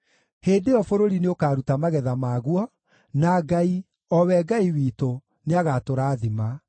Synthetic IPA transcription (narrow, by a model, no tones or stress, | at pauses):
heːndeɔfoɾoɾineokaːɾutamaɣɛðamaːɣwɔ | naɡai | ɔwɛɡaiwiːto | neaɣatoɾaːðima